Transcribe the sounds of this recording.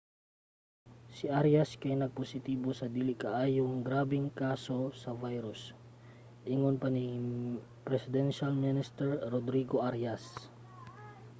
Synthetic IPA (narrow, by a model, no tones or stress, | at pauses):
sɪʔaɾjɐskɐjnɐɡ̚posɪt̪iːbo̞sɐd̪iːlɪkɐʔaːjʊŋɡɾaːbɪŋkaːso̞sɐvajɾʊs | ʔɪŋonpɐni | pɾɛsɪd̪ɛnʃalmɪnɪst̪ɛɹːod̪ɾiːɡoʔaɾjas